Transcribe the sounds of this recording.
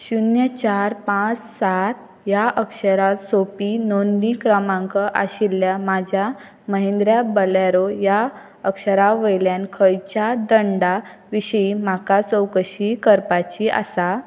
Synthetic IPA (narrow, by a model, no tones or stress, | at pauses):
ɕunjət͡ɕaɾpãt͡ssat̪ | jaʔəkʂəɾasopiːnonːikɾəmãŋkəʔa̰ɕiljamad͡ʑʱja | məɦẽnd̪ɾjabəlaɾoja | əkɕəɾaʋəjljankʰəjt͡ɕad̪əɳɖaʋiɕəimakat͡səwkəɕikəɾpat͡ɕiʔa̰sa